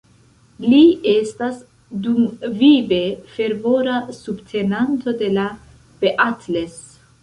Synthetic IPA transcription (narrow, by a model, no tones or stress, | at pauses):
liest̪as | d̪umvive̞fe̞ɾvo̞ɾasubt̪ʰe̞nant̪o̞d̪e̞la | b̥eʔat̪ʰles